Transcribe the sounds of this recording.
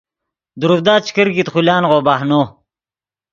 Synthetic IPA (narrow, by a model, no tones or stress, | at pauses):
d̪uɾufd̪aːt͡ɕi̥kiɾɡit̪χulaːnʁoːbahnoː